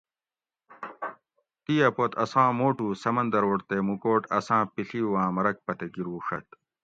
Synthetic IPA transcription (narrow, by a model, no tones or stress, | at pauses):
t̪iːɐpot̪ɐsãːmoːʈuːsɐmɐnd̪ɐɾoːʈt̪emukoːʈɐsãːpiɬiwãːmɐɾɐk̚pɐt̪eɡiɾuːʂɐ̰t̪̚